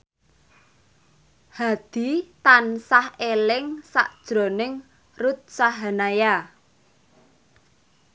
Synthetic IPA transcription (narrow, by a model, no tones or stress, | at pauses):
had̪̥i̤t̪ansahelɪŋsa̰ʔd̥ʒ̥ɾo̤nɪŋ | rut̪̚saɦanaja